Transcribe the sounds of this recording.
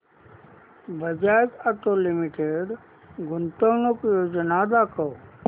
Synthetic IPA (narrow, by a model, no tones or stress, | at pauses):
bəd͡ʒaːjt̪ət̪olimiʈeɖ | ɡʊnt̪ənokjoːd͡ʒnad̪akəo